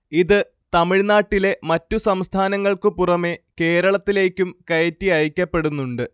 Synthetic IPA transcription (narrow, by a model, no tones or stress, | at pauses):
iðɨ | t̪ɐmiɻnaːʈːile̞mɐtːusɐmst̪ʰaːnɐŋːɐɭkɨpurɐme̞ke̞ːɾɐɭɐt̪ːile̞ːkʲːumkɐjɐtːiɐjikʲːɐpːe̞ɽunːuɳɖɨ